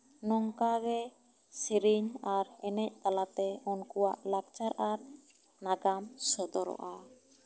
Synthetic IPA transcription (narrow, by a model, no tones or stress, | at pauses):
nɔŋkaɡɛ | siɾiɲaɾɛnɛc̚t̪alat̪ɛɔnkuwaʔlak̚t͡ʃaɾaɾ | naɡamsəd̪ɔɾɔ̰ʔa